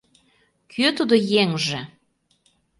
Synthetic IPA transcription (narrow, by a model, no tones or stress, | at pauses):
kʰøt̪ud̪ojeŋʒĕ